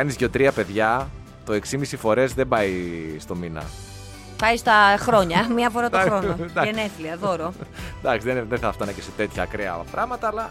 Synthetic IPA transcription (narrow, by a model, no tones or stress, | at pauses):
ɐnizʝot̪ɾiɐpe̞ðʝɐ | t̪o̞e̞ksimisifo̞ɾe̞zðembɐjst̪o̞minɐ̰ | pɐjst̪ɐxɾo̞ɲɐmiɐfoɾɐt̪oɾonoeneθliɐðo̞ɾond̪ɐksizðenðeθɐft̪ɐnɐceset̪e̞t̪çɐːkɾeɐpɾɐɣmɐt̪ɐːlɐ